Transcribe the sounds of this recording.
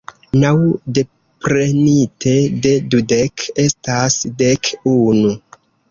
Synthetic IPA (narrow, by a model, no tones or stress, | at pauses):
nawde̞ | pɾe̞nitʰe̞de̞dudeke̞stasdekunu